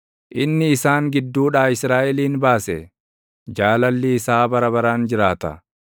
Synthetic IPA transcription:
ʔɪnːɪːsaːŋɡɪd̪ːuːᶑaːɪsɾaːʔɛliːnbaːsɛ | d͡ʒaːlɐlːɪːsaːbɐɾɐbɐɾaːnd͡ʒɪɾaːt̪ɐ̰

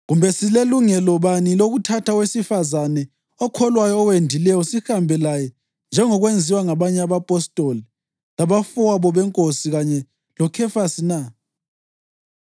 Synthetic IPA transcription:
ɣumbʱɛsileluŋɛlɔβaniloɣutʰatʰawesifazanɛ | ɔkʰɔlwajɔːwendʱilɛjɔsihambʱɛlajɛ | nd͡ʒʱɛŋɔɣwend͡zʱiwaŋaβaɲɛaβapʼɔstʼoli | laβafaβɔβɛŋkʼosiɣaɲɛ | lɔkʰɛfasina

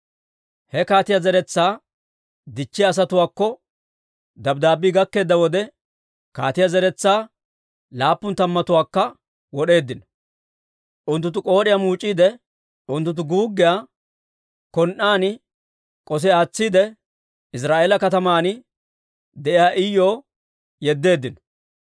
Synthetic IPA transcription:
hɛkaːt̪ɪjɐzɛɾɛt͡sːaː | d̪ɪt͡ʃːɪjːs̬ɐt̪ʊwaːkːɔ | d̪ɐbd̪aːbiɡɐkːe̞ːd̪ːɐwɔd̪ɛ | kaːt̪ɪjazɛɾɛt͡sːaː | laːpːʊnt̪ɐmːɐt̪ʊwaːkːɐ | wɔɗe̞ːd̪ːɪnɐ | ʔʊnt̪ːʊnt̪ːʊkʼo̞ːɗɪjamuːt͡ʃʼːiːd̪ɛ | ʊnt̪ːʊnt̪̬ːʊɡuːɡːɪjaː | kɔnʔaːnɪ | kʼɔs̬ɛaːt͡sːiːd̪ɛ | ɪs̬ɾaːʔeːlɐkɐt̪ɐmaːn | d̪ɛʔɪjaːʔɪjoː | jɛd̪ːe̞ːd̪ːɪnɔ̥

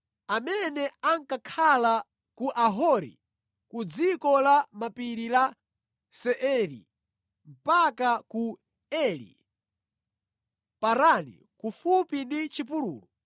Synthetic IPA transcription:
amɛnɛaŋkakʰala | kuʔaɦɔɾḭ | kud͡zikɔlamapiɾila | sɛʔɛɾḭ | m̩pakaku | ɛlḭ | paɾanḭ | kufupindit͡ʃip̬ulṵːlɔ

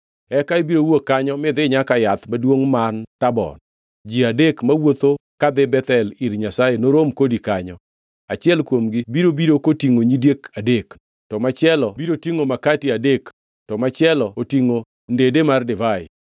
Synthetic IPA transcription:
ɛkaibiɾowokːaɲɔmɪd̪ɪɲakajat̪madwoŋmantabɔ̰n | d͡ʒiadekmawot̪okad̪ɪbɛt̪ɛliɾɲasajenoɾomkodikaɲɔ | at͡ʃɪɛlkwomɡɪbiɾobiɾokotiŋoɲidjekadek | tɔmat͡ʃɪɛlɔbiɾotiŋomakatiadek | tɔmat͡ʃɪɛlɔotiŋo | ndedemardɪvaɪ̰

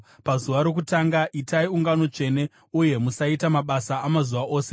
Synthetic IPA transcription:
pazuʋaɾo̞k̬utaːŋɡaʔitaiuŋɡano̞t͡ʂe̞ne̞ | uje̞musaitamaɓasaːmazuʋaʔo̞ːse

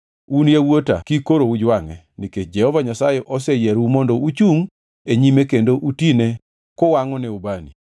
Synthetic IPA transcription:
unjawota̰kikoɾoud͡ʒwaŋɛ̰ | niket͡ʃd͡ʒɛhɔvaɲasajɛʔɔsɛjɛɾumɔndɔut͡ʃuŋ | eɲimekendoʔutine | kɔwaŋɔnɛubanḭ

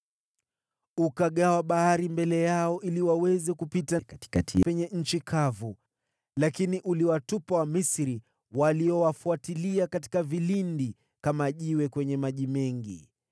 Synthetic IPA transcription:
ukaɠawaɓahaɾimbɛlɛjaɔʔiliwawɛzɛkupitakati̥katiwɛɲɛɲ̩t͡ʃikʰavu | lakiniʔuliwatupawamisɾi | waliɔwafuatiliakati̥kavilindi | kamaʄiwɛkwɛɲɛmaʄimɛŋɡi

